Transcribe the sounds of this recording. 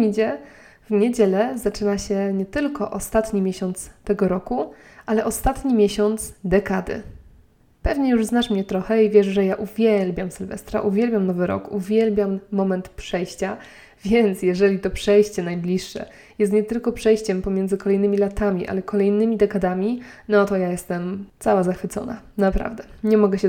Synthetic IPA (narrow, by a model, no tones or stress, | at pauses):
ɲid͡ʑɛ | vɲed͡ʑɛlɛzat͡ʂɘnaɕɛɲɛt̪ɘlkɔʔɔst̪at̪ɲimʲjeɕɔnt̪st̪ɛɡɔɾɔku | ʔalɛʔɔst̪at̪ɲimʲjɛɕɔnt̪sd̪ɛkad̪ɘ̰ | pɛvɲɛjuʐznaʂmɲɛt̪ɾɔxɛivʲjɛʂʐɛjaʔuvʲjɛlbʲjamsɘlvɛ̰st̪ɾa̰ʔuvʲjɛlbʲjamnɔvɘɾɔ̰kuvʲjɛlbʲjamːɔmɛnt̪pʂɛjɕt͡ɕa | vʲjɛnt̪sjɛʐɛlʲit̪ɔpʂɛjɕt͡ɕɛnajblʲiʂːɛ̰ | jɛst̪ɲɛt̪ɘlkɔpʂɛjɕt͡ɕɛmpɔmʲjɛnd̪zɘkɔlɛjnɘmʲilat̪amʲiʔa̰lɛkɔlɛjnɘmʲid̪ɛkad̪amʲinɔt̪ɔjajɛst̪ɛmt̪sawazaxfɘt̪sɔ̰na̰ | napɾa̰vd̪ɛ | ɲɛmɔɡɛɕɛ